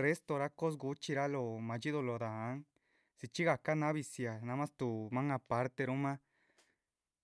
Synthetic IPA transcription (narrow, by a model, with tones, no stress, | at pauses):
re˦st̪o˧ɾa˦ko˦s̬ɡu˧˦t͡ʃi˧ɾa˦lo˧˨mã˨t͡ʃi˦ðo˧lo˧˨d̪a˨a˦ŋ | si˧t͡ʃi˦ɣa˧˨ka˦nã˦βi˧sja˨nã˧mã˦st̪u˧˨mã˦ŋa˧pa˧˦ɾt̪e˧ɾu˦mã˦